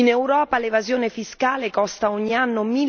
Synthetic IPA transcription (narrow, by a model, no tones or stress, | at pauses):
inewɾɔːpalevazjoːnefiskaːlekɔst̪aɔɲːianːomi